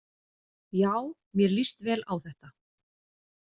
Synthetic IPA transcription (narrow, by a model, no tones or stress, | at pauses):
jaːw | mjɛɾlist̪vɛːla̰wθɛht̪a